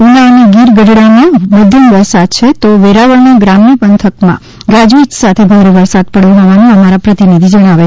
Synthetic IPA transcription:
unaəneɡiɾɡəɖɽanaməd̪ʱjəmʋəɾsad̪̚t͡ʃʰet̪oʋeɾaʋəɭnaɡɾamnipənt̪ʰəkmã̰ | ɡad͡ʒuit̪sat̪ʰebʱaɾeʋəɾsad̪̚pəɽjõɦɔʋanũəmaɾapɾət̪inid̪ʱid͡ʒəɽ̃aʋe

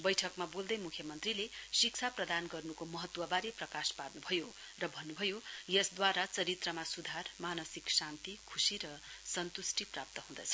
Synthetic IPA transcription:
bʌjʈʰʌkmabold̪ʌjmukʰjʌmʌnt̪rilesik̚t͡sʰaprʌd̪anɡʌrnukomʌɦʌt̪wʌbaɾiprʌkasparnubʱʌjo | rʌbʱʌnːubʱʌjojʌsd̪waɾat͡sʌɾit̪rʌmasud̪ʱarmanʌsiksant̪ikʰusiɾʌsʌnt̪usʈiprap̚t̪ʌɦũd̪ʌ̰t͡sʰʌ̥

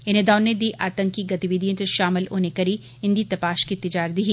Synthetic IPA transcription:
ɪned̪aːnːed̪iːʔaːt̪ə̃ŋkːiɡɐt̪iʋid̪ʱijẽnt̪ʃaːmɪlo̰nekɐɾi | ɦɪ̃nd̪it̪ɐpaːʃkit̪ɪd͡ʒaːɾd̪iɦi

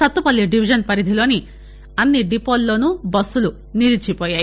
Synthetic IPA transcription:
ɔt̪upalːiɖibʱid͡ʒɔnpaɾid̪ʱilɔni | anːiɖipɔlːɔnubɔsulu | nilit͡ʃʰipɔja

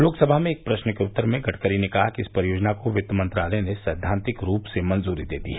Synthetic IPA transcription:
loːksɐbʱamẽeːk̚pɾɐʃnəkeʊt̪ːəɾmẽɡɐʈʰkəɾinekɐɦakiɪspɐɾɪjoːd͡ʒnakoʋɪt̪ːəmɐ̃nt̪ɾaːlenesɛːd̪ʱãːnt̪ɪkɾuːpsemɐ̃nzuːɾid̪eːd̪ḭːɦɛ

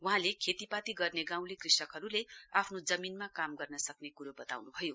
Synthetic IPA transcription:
wuɦãlekʰet̪ipat̪iɡʌrneɡãw̃lekrisʌkɦʌɾuleapʰnod͡zʌminmakamɡʌrnʌsʌknekuɾobʌt̪a̰wnubʱʌjo

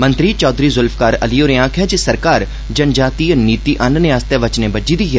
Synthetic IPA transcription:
mə̃nt̪ɾiːt͡ʃɔːd̪ɾiːzʊlfʰkaːɾə̰lioːɾɪãːkʰɦɛd͡ʒisəɾkaːɾ | d͡ʒənd͡ʒaːt̪iːniːt̪iːʔɐnnẽast̪eʋət͡ʃneːbəd͡ʒiːd̪iːɦɛː

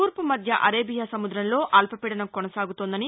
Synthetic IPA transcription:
uːɾpɐmɐd̪ʱjɐʔɐɾeːbʱijasɐmud̪ɾɐmlo̞ːʔɐlpɐpɛːɽɐnɐmkɔnɐsaːɡut̪oːnd̪ɐni

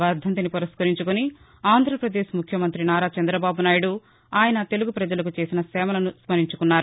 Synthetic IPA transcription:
ʋɐɾd̪ʱɐnt̪̬inipɔɾɐskɐɾiɲt͡ʃukuni | aːnd̪ʱɾɐpɾɐd̪eːʃmukʰjɐmɐnt̪ɾinaːɾaːt͡ʃɐnd̪ɾɐbaːbunaːjuɽu | aːjɐnɐt̪e̞luɡupɾɐd͡ʒɐlɐkut͡ʃe̞ːsinɐsɛːmɐlɐnuspɐɾiɲt͡ʃukunːaːɾu

